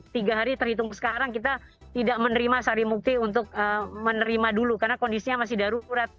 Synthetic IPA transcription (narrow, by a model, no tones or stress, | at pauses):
t̪iɡaɦaɾit̪ərhit̪ʊŋsə̥kaɾaŋkit̪̬a | t̪idaʔ̚mənəɾimasaɾimuk̚t̪iunt̪ʊk̚əmənəɾimadulukarnakondisiɲamas̬ɪhdaɾuɾat̪̚